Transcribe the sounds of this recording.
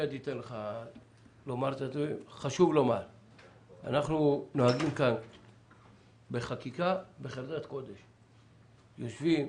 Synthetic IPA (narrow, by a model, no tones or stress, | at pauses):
ad̪it̪enleχa | lo̞maʁt̪at̪iχaʃuvlo̞maʁ | a̰naχnunoaɡimkan | beχakikabeχeld̪at̪ko̞d̪eʃ | jo̞ʃvim